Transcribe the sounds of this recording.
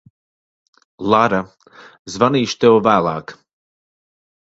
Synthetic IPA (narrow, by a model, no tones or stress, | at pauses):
lˠaɾa | zvaniːʃt̪ɛwvæːlˠɑ̰ːk